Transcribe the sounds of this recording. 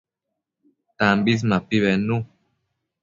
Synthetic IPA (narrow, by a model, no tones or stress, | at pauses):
tambis̬mapiβɛnu